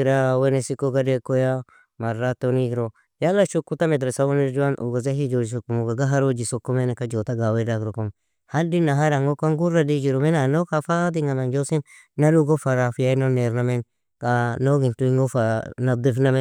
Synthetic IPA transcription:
iɾawenesikoɡadekoja | maɾatoniɡɾo | jalːaʃukːutamed̪ɾesawoneɾd͡ʒuwanʔṵɡazaɦid͡ʒod͡ʒis̬okːumuɡaɡaɦaɾod͡ʒisokːumenkad͡ʒotaɡawedaɡɾokom | hadinaɦaɾaŋɡokaŋɡuɾadid͡ʒiɾomenanokafadiŋanand͡ʒosin | naɾuɡofaɾafijanoneɾnamen | kanoɡintuiŋɡofanad̪ifname

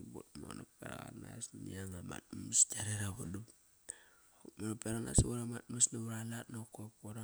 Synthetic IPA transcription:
botmo̰nopeɾa̰ɣa̰nasniaŋama̰t̚mmisd͡ʒaɾeɾaβodup | akmonopeɾana̰swoɾamat̚masnaβuɾalatnokopoɾa

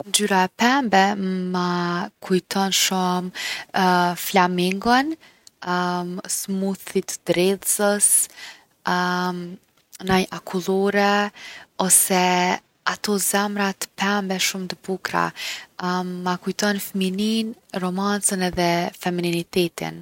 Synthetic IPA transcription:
nd͡ʒyɾaɛpɛmbɛmakʰujt̪ɔnʃum | flamiŋɡɔn | smuθit̪d̪ɾɛðsəs | najʔakʰulˠɔɾɛ | ɔsɛ | at̪ɔzɛmɾat̪ə̥pɛmbɛʃumt̪əbukɾa̰ | akujt̪ɔnfəmininrɔmant͡sənɛðɛfɛmininit̪ɛt̪ḭn

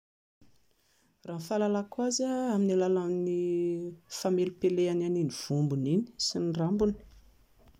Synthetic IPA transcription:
raːnfalalakwazaaminilalamni | famelupeleananiniv̥umbunini̥sinrambuni̥

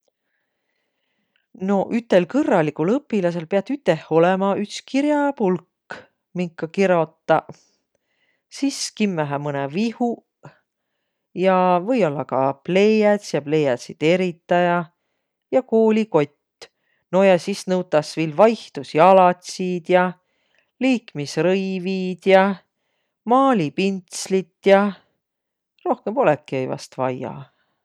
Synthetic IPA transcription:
no̞ʔyt̪ːˑe̞lkɤrːɑlʲːikulɤpːilɑs̬e̞lpeɑt̪ːˑyt̪ːˑeho̞lemɑyt̪skiɾjɑpulkː | miŋkːˑɑkiɾo̞t̪ːɑ | siskimːæɦæmɤnevihu | jɑvɤjo̞lːɑkɑple̞jæt̪sjɑple̞jæt̪sit̪eɾit̪ːˑɑjɑ | jɑkoːlʲiko̞t̪ʲː | no̞jɑsisnɤwt̪ːˑɑsviːlvɑjht̪usiɑlɑt̪ʲsiːd̪̥jɑ | liːkmisrɤjviːd̪̥jɑ | mɑːlʲipint̪slit̪jɑ | ro̞hkempo̞lekːˑiɤjvɑ̰st̪vɑjɑ̰

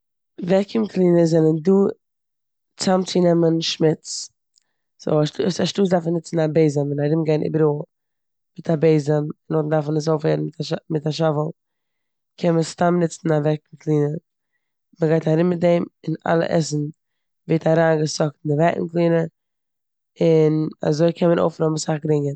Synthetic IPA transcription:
vɛkʰəmklˠiːnəzɛlənduː | t͡samt͡sɪnɛmənʃmɪt͡s | z̥o̰aʃtusaʃtuːs̬daɾfnɪt͡sn̩abeɪzəmɪnaɾɪmɡaɪnʔḭːbəɾoːlˠ | mɪtʰabeɪzəmɪnotn̩daɾfnəs̬oʊfheːɾn̩ɪtmɪtaʃavəlˠ | kʰɛnməstamnɪt͡sn̩avɛkŋ̩klˠiːnə | məɡaɪtaɾɪmmɪt̚deɪmɪna̰lˠə̰ʔɛ̰sn̩ | veːtaɾaːnɡəsɔk̚tndɪvɛkŋ̩klˠiːnə | ɪna̰zoɪkʰɛnmənʔo̰ʊfɾɔməsaχɡɾɪŋə

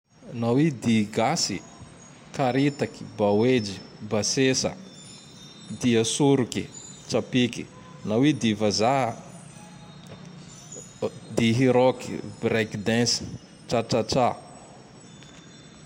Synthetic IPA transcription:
nawid̪iɡasi | kaɾit̪aki̥bawed͡ʒibasesə̰ | d̪iasuɾukit͡ʃapiki̥ | nawid̪ivaza | d̪iɦiɾokibɾɛkd̪ɛ̃si̥ | ʈ͡ʂaʈ͡ʂaʈ͡ʂa

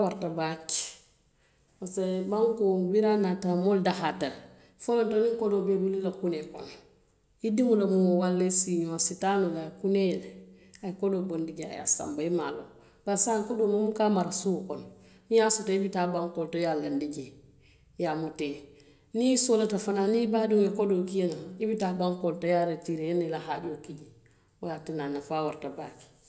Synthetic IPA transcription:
awaɾtabak | asebaŋkobiɾanatamoldahatal | folontoniŋkodobebulilakuneko̰n | idimulamuŋowalːesiɲositanolakunel | akodobondiɟa̰ja̰sa̰mbaimalo̰ | b̥asaŋkɔdomumukamaɾasukɔn | nijasutaibitabaŋkɔltɔjalːandiɟi | jamute | nisolatafananibadiŋɛkodokiɛnaibitabaŋkɔltojaɾetiɾejɛnilaɦaɟokiɟi | waatinanːafawaɾtabaki̥

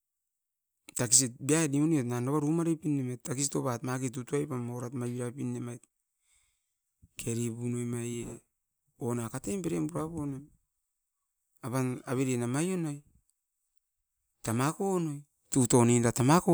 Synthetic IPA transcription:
takisitbiaediuniotnanoβaɾumaɾepinːematːakisitopatmakit̬utuajpamawɾatmajiɾapinːemajt | kʰe̞ɾipunojmaje | onakatempeɾembuɾaponem | apanaβeɾenamajo̞no̞j | tamakonoj | tutonenɾatamako

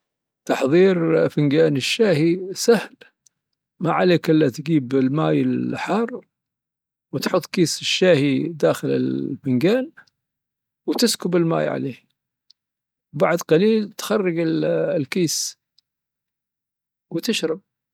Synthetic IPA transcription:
t̪ɑħðˤiːɾfɪnɡaːnɪʃːaːhisahl | maʕaleːkʔɪlːat̪ɡiːbɪlmaːjɪlħɑːrˤ | wɪt̪ħʊt̪ˤːkiːsɪʃːaːhid̪aːxɪlɪ̰lfɪnɡaːn | wt̪ɪskʊbɪlma̰ːjʕa̰leː | wbaʕd̪qɑliːlt̪xɑrˤːɑɡɪllkiːs | wt̪ɪʃɾˤɑb̚

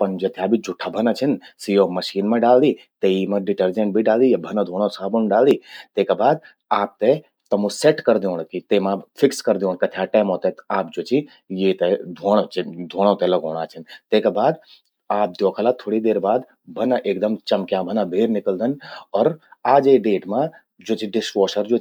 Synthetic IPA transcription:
pɐnd͡ʒɐt̪ʰjabʱid͡ʒʊʈʰːabʱɐnət͡ʃʰɐnsijomɐʃiːnmẽɖaːld̪i | t̪eimẽɖɪʈəɾd͡ʒẽɳʈbʱiɖaːld̪ijabʱɐnəd̪ʱoːɽ̃õsaːbonɖaːld̪iːt̪eːkabaːd̪̚ | aːp̚t̪e | t̪ɐmũseʈkɐɾd̪ioːnkit̪emãpʰɪkskɐɾd̪iõːɳkɐt̪ʰjaʈɛːmoːt̪et̪aːp̚d͡ʒot͡ʃi | jeːt̪ed̪ʱoːɽ̃t͡ʃd̪ʱoːɽ̃õt̪ɛlɐɡoːɽ̃aːt͡ʃʰənt̪eːkabaːd̪ | aːp̚d̪joːkʰəlat̪ʰoːɽid̪eːɾbaːd̪ | bʱɐnəʔeːkd̪ɐmt͡ʃɐmkjãbʱɐnabʱeːɾnɪkəld̪ənɔːɾaːd͡ʒeɖeːʈmã | d͡ʒoːt͡ʃiɖɪsʈoːʃəɾd͡ʒo

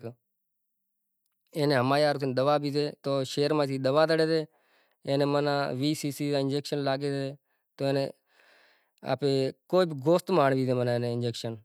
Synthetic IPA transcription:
eːnẽːɦəmaːjaːɾt̪ːnːɗ̪əʋaːbiːzeːt̪oːʃeːɾmãːsiːɗ̪əʋaːd̪əɽeːt̪eː | eːnẽːmənãːʋiːsiːsiːãɪnd͡ʒeːkʃənlaːɡeːzeː | t̪oːeːnḛː | a̰ːpeːkoːibɡoːst̪maːɳbiːzeːmənaːeːnẽːɪnd͡ʒeːkʃən

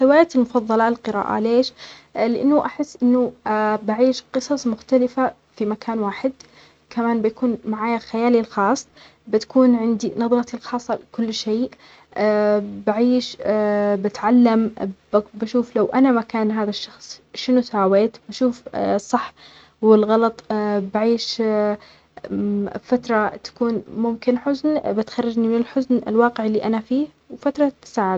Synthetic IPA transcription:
ħɪwaːjaːt̪ɪlmʊfɑðˤːɑlɑlqɨɾa̰ːʔa̰leːʃlɪʔanːʊʔaħɪsːʔɪnːʊbaʕiːʃqɨsˤɑsˤmʊxt̪alɪfa | fimakʰaːnwaːħɪd̪ | kʰamaːnbɪjakuːnmaʕaːjalxajaːlilxɑːsˤː | bɪt̪ḁkuːnʕɪnd̪inɑðˤɾɑt̪ilxɑːsˤːɑlkʊlːʃeːʔ | baʕiːʃbɪt̪ʕalːambbaʃuːflawʔanamakaːnɦaːðaʃːɑxsˤʃɪnusaːweːt̪baʃuːfsˤːɑħ | wɪlɣɑlɑt̪ˤbaʕiːʃ | fat̪ɾˤɑt̪ḁkuːnmʊmkɪnħʊznbɪt̪xɑrˤːɑd͡ʒnimɪnɪlħʊznɪ̰lwɑːqɪʕɪlːiʔanafiːh | wfat̪ɾˤɑt̪saːʕɪd̪

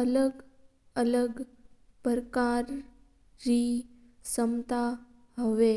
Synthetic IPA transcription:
ələɡ | ələɡpəɾkaɾː | i | səmt̪a | ɦəʋe

